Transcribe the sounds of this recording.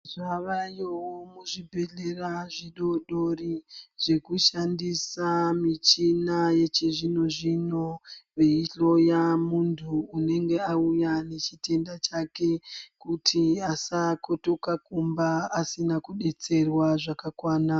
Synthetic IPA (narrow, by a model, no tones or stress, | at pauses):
ʐaʋajowomuʐibʱe̞ɮe̞raʐiɗo̞ɗo̞riʐ̥e̞kuʃandisamit͡ʃinaje̞t͡ʃeʐino̞ʐino̞ʋeiɬo̞jamuntʰuːne̞ŋɡe̞aujane̞t͡ʃite̞ndat͡ʃake̞kutʰiasakoto̞kakumbaːsinakuɗe̞t͡se̞rwaʐakakwaːna